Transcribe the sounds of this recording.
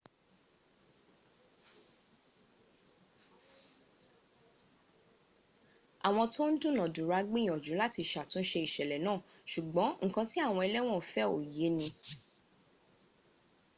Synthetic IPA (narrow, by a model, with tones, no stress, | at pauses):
a˨w̃ɔ̃˧to˦n̩˦dũ˦˨nã˨du˨ɾa˨˧ɡ͡bĩ˦˨ɔ̃˨d͡ʒũ˨˦la˦ti˧ʃa˨tũ˨˧n̩˦ʃe˧i˨ʃɛ˨lɛ˨nãː˦˨ʃu˨ɡ͡bɔ̃˨˦ŋ̩˨kã˧ti˦a˦˨w̃ɔ̃˧ɛ˧lɛ˦w̃ɔ̃˦˨fɛ˦o˨je˨˦nĩ˧